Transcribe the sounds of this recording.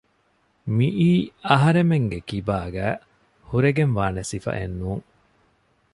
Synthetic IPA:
miʔiːɐɦɐɾemeŋɡekibaːɡæː | huɾeɡenʋaːnesifɐ̰ʔḛnːuːŋ

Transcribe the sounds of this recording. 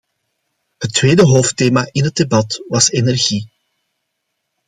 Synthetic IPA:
hətːʋeːdəɦoːfteːmaːʔɪnɦəd̚debɑtʋɑsenɛrɣi

